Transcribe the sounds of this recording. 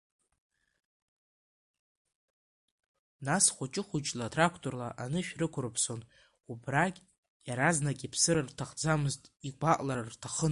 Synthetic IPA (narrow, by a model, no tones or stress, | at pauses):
nasχʷʊt͡ʃʼɪχʷʊt͡ʃʼlatʰrakʷʰtʰʼo̞rlaʔanɨʃᶣrɨkʷʰʊrɨpʰso̞n | ubrakʲʼ | jaɾaznakʲʼipʰsɨɾartʰaχd͡zamɨztʼiɡʷaʔʼlarrtʰaχə